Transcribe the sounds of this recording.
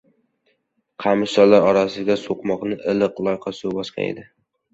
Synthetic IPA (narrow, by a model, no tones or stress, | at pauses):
qʰɑmɪsɒlːaɾɒɾasɪɡʲasoqmɒqnɪʔɪlɨqlˠɒjqʰɑsobɒsqʰɑ̰ḛd̪ɪ